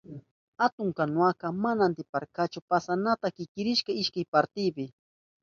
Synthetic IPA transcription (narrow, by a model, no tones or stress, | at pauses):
hat̪ʊŋkanʊakamanant̪ɪpaɾkat͡ʃʊpasanat̪akɪkɪɾɪʃkaɪʃkajpaɾt̪ɪpɪ